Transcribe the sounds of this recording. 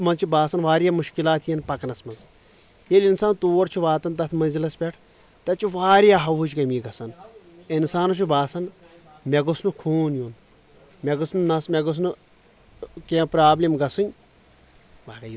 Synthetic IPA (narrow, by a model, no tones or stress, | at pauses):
mɐnzt͡ʃʰubaːsɐnʋaːɾjaːmuʃkilaːt̪ʰijɐnpɐknɐsmɐnz | jelʲinsaːnt̪oːɾt͡ʃʰuʋaːt̪ɐnt̪ɐt̪ʰmɐnzilɐspʲɛʈʰ | t̪ɐt͡ʃʰuʋaːɾjaːɦɐwɦut͡ʃʰkɐmiːɡɐsɐn | ɪnsaːnut͡ʃʰubaːsɐn | mʲɛɡusnukʰuːnjun | mʲɛɡɨsnnɐsmʲɛɡɨs̬nu | kepɾaːblimɡɐsɨnʲ